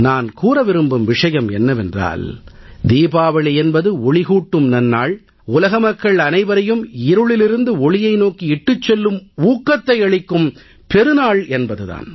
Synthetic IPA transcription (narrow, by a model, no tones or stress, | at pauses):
naːnkuːɾɐʋɪɾɯmbɯmʋɪʂɐjɐmɛnːɐʋɛndra̰ːld̪iːbaːʋɐɭɛnbɐðɯɔɭɪɣuːʈːɯmnɐnːaːɭ | ʊlɐɣɐmɐkːɐɭɐnɐɪʋɐɾɐjɯmɪɾɯɭɪlɪɾɯnd̪ɯɔɭɪjɐɪnoːkiɪʈːɯt͡ʃːɛlːɯmuːkːɐt̪ːɐɪɐɭɪkːɯm | pɛɾɯnaːɭɛnbɐðɯða̰ːn